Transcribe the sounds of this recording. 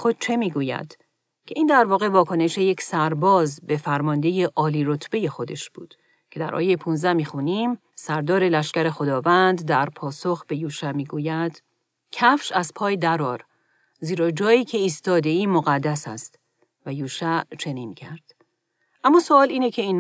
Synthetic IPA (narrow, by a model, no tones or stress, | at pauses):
xo̞d̪̥̚t͡ʃʰe̞miːɡuːjæ̰d̪̥ | cʲʰe̞ʔiːnd̪æɾvɒːɣe̞vɒːkʰo̞ne̞ʃeje̞csæɾbɒːzbe̞fæɾmɒːnd̪e̞jeʔɒːliːɾo̞t̪ʰbe̞je̞xo̞d̪e̞ʃb̥ṵːd̪̥ | cʰe̞d̪æ̰ɾʔɒ̰ːjejepʰunzd̪æhmiːxuniːm | sæɾd̪ɒːɾe̞læʃcæɾe̞xo̞d̪ɒːvænd̪d̪æɾpʰɒːso̞xb̥e̞juːʃæmiːɡuːjæd̪̥ | cʰæfʃæzpʰɒːjed̪æɾɒːɾ | ziːɾɒːd͡ʒɒːjiːcʰe̞iːst̪ɒːd̪e̞iːmoɣæd̪ːæsæ̰st̪ | væjuːʃæt͡ʃʰe̞niːncʰæɾd̪̥ | ʔæmːɒːsoɒːliːnecʰe̞iːn